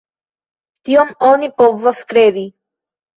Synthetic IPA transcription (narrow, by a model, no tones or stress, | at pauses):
t̪iomonipovoskɾed̪i